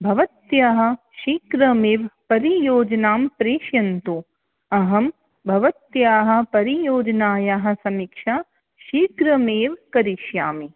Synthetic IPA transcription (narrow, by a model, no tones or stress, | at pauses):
bʱɐʋɐt̪jaːɦɐ̆ | ʃiːkɾɐmeːʋpɐɾijoːd͡ʒɐnaːmpɾeːʃjɐnt̪u | ɐɦɐm | bʱɐʋɐt̪jaːɦɐ̆pɐɾijoːd͡ʒɐnaːjaːɦɐ̆sɐmikʃaː | ʃiːkɾɐmeːʋkɐɾiʃjaːmi